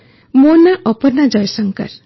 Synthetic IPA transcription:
monaʔɔpɔɾnad͡ʒɔjsəŋkə̰ɾ

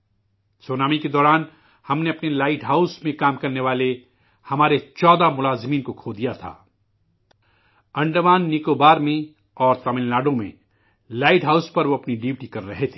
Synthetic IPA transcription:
soːnaːmiked̪ɔːɾaːn | hɐmneɐpnelaːɪʈɦaːʊsmẽkaːmkɐɾneʋaːle | hɐmaːɾet͡ʃɔːd̪amʊlaːzmiːnkokʰoːd̪ijat̪ʰa̰ː | ɐ̃ɳɖmaːnːikobaːɾmẽ | ɔːɾt̪ɐmɪ̃llaːɖõmḛ̃ | laːɪʈɦaːʊspɐɾʋoɐpniɖɪʋʈikɐɾːɐɦet̪ʰeː

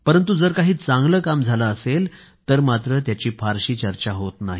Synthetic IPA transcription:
pəɾənt̪̬ud͡zəɾkaɦiːt͡sãŋɡləːkamd͡zʱalaːsel | t̪əɾmat̪ɾət̪jat͡ɕiːfaɾɕiːt͡ɕəɾt͡ɕaɦot̪naɦi

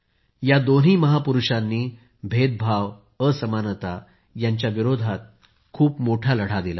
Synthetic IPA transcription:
jad̪on̤iːməɦapuɾuʂanːiː | bʱet̪̚bʱaʋ | əsəmanət̪a | jaɲt͡ɕjaʋiɾod̪ʱat̪̚ | kʰuːpmoʈʰaləɽ̤ad̪ila

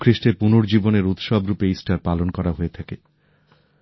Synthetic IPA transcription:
kʰɾiʃʈeɾpunoɾd͡ʑiboneɾut̪ʃɔbɾupeisʈaɾpalonkɔɾaɦoet̪ʰake

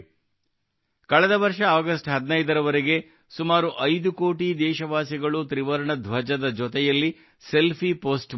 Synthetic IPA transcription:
kɐɭɛd̪ɐʋɐɾʂɐaːɡɐsʈɦɐd̪nɐjd̪ɐɾɐʋɐɾeɡe̞ | sumaːɾuʔɐjd̪ukoːʈid̪ɛːʃɐʋaːsiɡɐɭut̪ɾiʋɐɾɐɳɐd̪ʱʋɐd͡ʒɐd̪ɐd͡ʒɔt̪ɛjɐlːi | se̞lpʰipoːsʈ

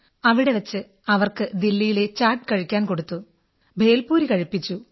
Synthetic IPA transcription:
ɐʋiɽe̞ʋɐt͡ɕːɨ | ɐʋɐrkɨd̪ilːijile̞t͡ɕaːrʈːɨ̥kɐɻikʲːaːnko̞ɽut̪ːu | bʱe̞ːlpuːɾikɐɻipːit͡ɕːu

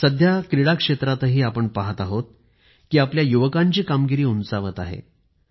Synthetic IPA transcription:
səd̪ʱjakɾiɽakʂet̪ɾat̪əɦiːapəɳpaɦət̪aɦot̪̚ | kiːapljajuʋəkaɲt͡ɕiːkamɡiɾiːunsaʋət̪a̰ɦḛ

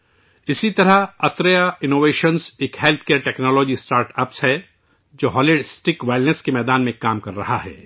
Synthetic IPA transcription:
ɪsit̪ɐɾəɐt̪ɾəjaɪnoːʋeːʃənseːkɦɛːlt̪ʰkeːɾʈɛːknɔːlɔːd͡ʒisʈaːɾʈɐpsɦɛ | d͡ʒoːɦɔːlɪɖɪsʈɪkʋaɪlnəskemɛːd̪aːnmẽkaːmkɐɾːɐɦaɦɛ̰ː

